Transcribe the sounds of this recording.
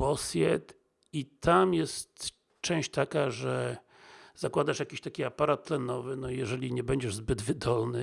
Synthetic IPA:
ɔsʲjɛt̪ | it̪ʰamjɛst̪ | t͡ʂɛ̃w̃ɕt͡ɕt̪akaʐɛ | z̥akwad̪aʂjakʲiɕt̪akʲiapaɾat̪̚ːlɛnɔvɘnɔjɛʐɛlʲiɲɛbɛɲd͡ʑɛʐzbɘd̪vɘd̪ɔlnɘ

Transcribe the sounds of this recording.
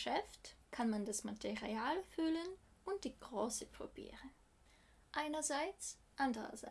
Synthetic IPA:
ʃɛftkʰanmandasmatʰeʁiaːlfylənʊnt̚d̥iɡ̥ʁoːsəpʁo̰b̥ḭːʁən | ʔaɪnɐzaɪt͡s | ʔandəʁɐ̰za

